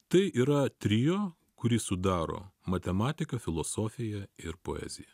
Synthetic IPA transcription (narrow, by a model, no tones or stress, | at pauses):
t̪ɐɪʔiːɾɐt̪ʲɾʲiːjoː | kʊɾʲiːsʊd̪ɑːɾo̰ːmɐt̪ʲɛmɑːt̪ʲɪkɐfʲɪlˠosoːfʲɪjɛɪɾpo̰ːɛ̰ːzʲɪjɛ